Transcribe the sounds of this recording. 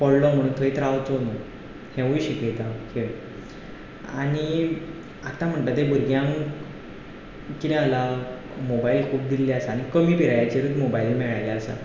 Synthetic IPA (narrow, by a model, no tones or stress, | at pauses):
pɔɽlɔm̤əɽ̃uːnt̪ʰəit̪ɾaʋt͡sono | hẽʋuɕikejt̪akeʋ | aɽ̃i | at̪am̤əɳt̪at̪̬ebuɾɡjãŋ | kinẽala | mobailkʰuːp̚d̪ilːeasaːɽ̃ikəmiːpiɾajat͡ɕeɾuːt̪mobaiːlmɛɭajljaəsa̰